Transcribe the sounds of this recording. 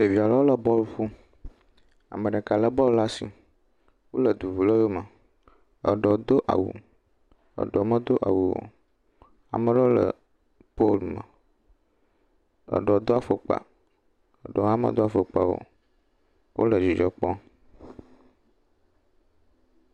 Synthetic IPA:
t̪e˨vi˨a˨lɔ˦wo˦lə˨bɔ˦lɸu˦ | a̰˨mə̃˨ɖə˨ka˨lə˦bɔ˦lla˦sḭ˨ | wo˦lə˨d̪u˨vu˨lə˦jo˦mə˨ | ə̰˨ɖɔ˨d̪o˦ʔa̰˨wṵ˨ | ə̰˨ɖɔ˨˦mə˦d̪o˦ʔa̰˨wu˨wo̰˨ | a̰˨mə̃˦ɖɔ˦lə̰˨ | po˦lmə˨ | ə̰˨ɖɔ˨d̪o˦a˨fo˨k͡pa̰˨ | ə˨ɖɔ˨a˦mə̰̃˨d̪o˦a˨fo˨k͡pa˨wo̰˨ | wʔo̰˦lə˨d͡ʑi˨d͡ʒɔ˨k͡pɔ˦

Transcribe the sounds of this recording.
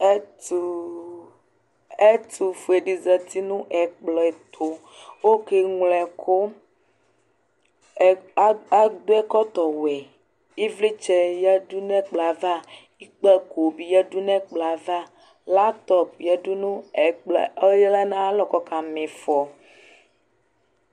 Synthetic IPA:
ɛ˦tu˨ | e˦t̪u˨fu˨e˨ɖi˨zɛ˨t̪i˦nũ˦ʔɛ˨k͡plɔ˨ɛ˨t̪ʰo˨ | wo˦ke˦ŋlɛ˨kʰo˦˨˦ | a˦d̪o˦ɛ˦kɔ˦t̪ɔ˨wɛ˨ | i˦vli˦t͡ʃɛ˦ja˦ɖu˦nɛ̃˦k͡pla˨va˦ | i˦k͡pɛ˦ko˨bi˨jɛ˦du˦nɛ̃˦k͡pla˨va˦ | la˦t̪ɔ˦p̚jɛ˨du˦nũ˦ɛ˨k͡pljɛ˦la˦nã˦a˦lɔ˦kɔ˦ka˨mẽ˨fɔ˨

